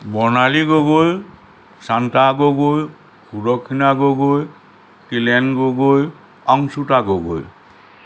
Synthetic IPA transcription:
bɔnaliɡoɡoj | santaɡoɡoj | kʰudɔkʰːinaɡoɡoj | tilɛnɡoɡoj | aŋsutaɡoɡo̰j

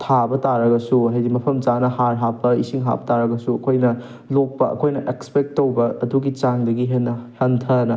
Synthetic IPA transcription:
tʰabɐtaɾɐɡɐsuɦajdimɐpʰɐmt͡ʃanɐhaɾɦapːɐisiŋɦa̰pɐtaɾɐɡɐsuɐkʰojnɐ | lok̚pɐɐ̰kʰojnɐʔekspek̚tːowbɐːduɡit͡ʃaŋdɐɡiɦenhɐntʰɐnɐ

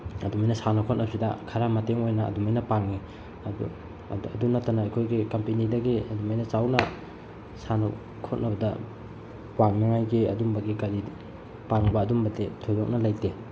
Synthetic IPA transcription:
ɐdumajnɐsanɐkʰot̚nɐbsidɐ̰kʰɐɾamɐteŋojnɐ̰ːdumajnɐpaŋːi | ṵ | ɐdunɐtːɐnɐːjkʰojɡikɐmpenidɐɡiɐdumajnɐt͡ʃawnɐ | sanɐ | kʰot̚nʔɐbɐdɐ̰ | paŋnɐŋajɡiɐ̰dumbɐɡikɐɾi | paŋbɐːdumbɐdetʰojlok̚nɐlajte

